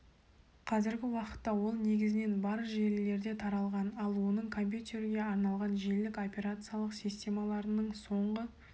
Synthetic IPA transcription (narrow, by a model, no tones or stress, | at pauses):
qʰɑzɪɾɡʲɪwɑqə̥t̪ːɑwo̞lˠne̞ɡʲɪzɪne̞nbɑɾʒe̞ɾle̞ɾd̪e̞t̪ʰɑɾɑlˠʁɑnɑlˠwo̞nəɴkʰo̞mʲp̬ʲjut̪ʲeɾɪɡʲe̞ɑɾnɑlˠʁɑnʒe̞lɪkʲo̞pʲe̞ɾat̪sɨjalˠəqsijst̪ʲe̞mɑlˠɑɾənəɴso̞ɴʁə